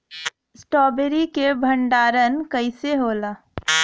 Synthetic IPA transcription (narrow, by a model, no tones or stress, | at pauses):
ɪsʈɔːbeɾikebʱə̃ɳɖaːɾənkəɪseɦoːlaː